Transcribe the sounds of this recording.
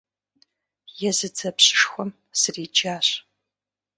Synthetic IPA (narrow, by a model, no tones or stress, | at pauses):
jɛzɨd͡zʰɐpɕɪ̥ʂxʷɔm | sɨriːd͡ʒaːɕ